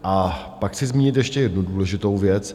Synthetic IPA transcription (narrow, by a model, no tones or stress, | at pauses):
ʔa | pakt͡sɪzmiːɲɪt̪jɛʃcɛjɛdnuduːlɛʒɪt̪owvjɛt͡s